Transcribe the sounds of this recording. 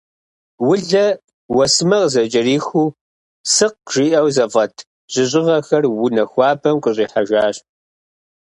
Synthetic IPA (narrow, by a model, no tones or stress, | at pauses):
wʊɮɐ | wɐsmɐʁzɐt͡ʃʼɐriːxuː | sɨq̚ʒ̥iːʔɐwzɐvɐtʰ | ʑ̥ɪɕʼɪʁɐxɐrwʊnɐxʷɑːbʰɐmqʼʊɕʼiːħaʒʷaːɕ